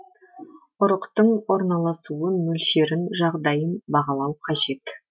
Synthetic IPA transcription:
ʊɾəqt̪əɴwo̞ɾnɑlˠɑsuənmɵlʃe̞ɾɪnʒɑʁd̪ɑjənbɑʁɑlˠɑwqʰɑʒe̞t̪

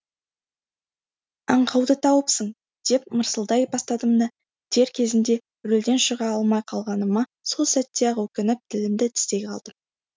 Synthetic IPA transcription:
ɑ̰ɴqʰɑwd̪ət̪ʰɑwəpsəɴ | d̪̥e̞p̚məɾsəlˠd̪ɑjbɑst̪ɑd̪əmnə | t̪ʰe̞ɾkʲʰe̞zɪnd̪e̞ | ɾɵld̪e̞nʃəʁɑɑlˠmɑjqʰɑlˠʁɑnəmɑso̞lˠsæt̪ːeɑʁwɵkʲɪnɪp̚t̪ʰɪlɪmd̪ɪt̪ʰɪ̥st̪e̞jqʰɑlˠd̪əm

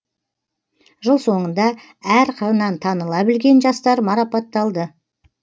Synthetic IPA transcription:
ʒəlˠso̞ɴənd̪ɑ | æɾqʰəɾənɑnt̪ʰɑnəlˠɑbɪlɡʲe̞nʒɑst̪ɑɾmɑɾɑpɑt̪ːɑlˠd̪ə

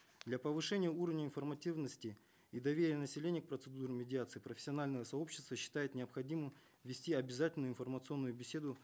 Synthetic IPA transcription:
d̪lʲɐpəvɨʂɛnʲɪjəuɾəvnʲəɪnfərmɐtʲivnəsʲtʲɪ | id̪ɐvʲeɾʲɪjənəsʲɪlʲenʲɪjək̚pɾət̪sɨd̪uɾɪmʲɪdʲɪat̪sɨipɾəfʲɪ̥sʲɪɐnalʲnəjəsɐo̞pɕːɪ̥st̪vəɕːɪ̥t̪ajɪt̪nʲɪɐpxɐdʲimɨm | vʲɪsʲtʲiɐbʲɪzatʲɪlʲnjʊɪnfərmət̪sɨo̞nːʊjʊbʲɪsʲe̞d̪ʊ

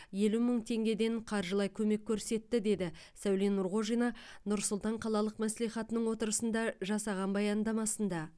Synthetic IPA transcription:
je̞luməɴt̪ʰe̞ŋɡʲe̞d̪e̞ɴqʰɑɾʒəlˠɑjkʲʰɵme̞kʲʰːɵɾse̞t̪ːɪd̪e̞d̪ɪ | sæwlenːʊɾʁo̞ʒijnɑnʊɾsʊlˠt̪ɑɴqʰɑlˠɑlˠəqmæsliχɑt̪ənəɴwo̞t̪əɾəsənd̪ɑʒɑsɑʁɑnbɑjɑnd̪ɑmɑsənd̪ɑ

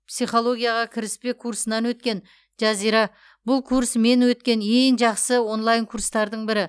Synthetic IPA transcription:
psijχo̞lˠo̞ɡʲijɑʁɑkʲʰɪɾɪspe̞kʰuɾsənɑnwɵt̪̚kʲe̞n | ʒɑzijɾɑ | bʊlˠkʰuɾsme̞nwɵt̪kʲe̞neŋʒɑqsəwo̞nlˠɑjŋkʰuɾst̪ɑɾd̪əɴbɪɾɪ

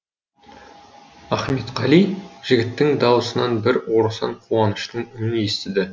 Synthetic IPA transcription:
æχme̞t̪qɑlijʒɪɡʲɪt̪ːɪŋd̪ɑwəsənɑnbɪɾwo̞ɾusɑ̰ɴqʰuɑnəʃt̪əɴʏmɪne̞st̪ɪd̪ɪ

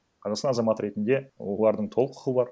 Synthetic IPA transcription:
qʰɑzɑqsɑnɑzɑmɑt̪ɾe̞t̪ɪnd̪e̞wo̰lˠɑɾd̪əɴt̪ʰo̞lˠəqʰʊ̥χəəbɑɾ

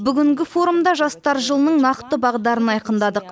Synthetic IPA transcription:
bʏɡʲɪŋɡʲɪfo̞ɾumd̪ɑʒɑst̪ɑɾʒəlˠənəɴnɑqt̪əbɑʁd̪ɑɾənɑjqənd̪ɑd̪əq

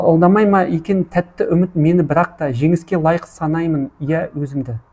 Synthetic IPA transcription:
olˠd̪ɑmɑjmɑʔekʲent̪ʰæt̪ːɪʔʏmɪt̪me̞nɪbɪɾɑq̚t̪ɑʒe̞ŋɪskʲe̞lˠɑjəqsɑnɑjmənijæwɵzɪmd̪ɪ

